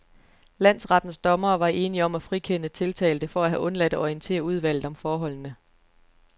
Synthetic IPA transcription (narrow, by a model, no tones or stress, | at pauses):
læn̰sʁɑ̈d̥n̩sd̥ɒ̽mɐːʋɑ̈ʔe̝ːniɒ̽mæfʁikʰenət͡sʰe̝lt͡sʰɛ̰ːld̥əfɒ̽æɦæʔɔ̽nlæd̥æɒiənt͡sʰe̝̰ːɐuð̞ˠʋæl̰ð̩ˠɒ̽mfɒːɦɒ̽l̰nə